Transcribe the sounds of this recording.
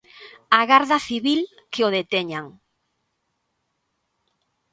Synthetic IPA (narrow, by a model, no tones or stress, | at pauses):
aɣaɾðɐθiβil | keoðet̪ɛɲaŋ